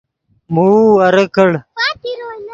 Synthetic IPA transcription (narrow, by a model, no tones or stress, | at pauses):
muɐɾəkəɽ